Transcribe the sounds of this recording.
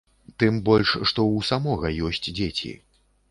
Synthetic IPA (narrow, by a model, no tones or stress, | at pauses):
t̪ɨmbɔlʲʂʂt̪ɔwsamɔɣɐjɔsʲt͡sʲd͡zʲet͡sʲḭ